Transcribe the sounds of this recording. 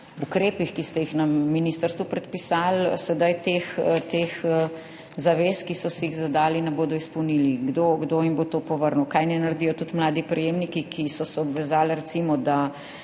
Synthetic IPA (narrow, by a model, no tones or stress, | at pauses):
ukɾeːpixkist̪ɛjixnɐmminist̪əɾst̪ʋupɾɛt̪̚pisalsɛd̪ajt̪ext̪ex | zaʋeːskisɔsɛjiɣzad̪aːlinɛboːd̪ɔispɔwniliɡd̪oɡd̪oːjimbot̪oːpɔʋəɾnuwkajnɛnɐɾd̪ijɔt̪ut̪mlaːd̪ipɾɛjeːmnikikʰisɔsɛɔbʋɛzaːlɾɛt̪simɔd̪a